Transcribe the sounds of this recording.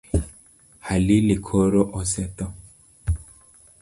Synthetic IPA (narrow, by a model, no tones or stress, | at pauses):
halilɪkʰoɾoʔɔsɛt̪ɔ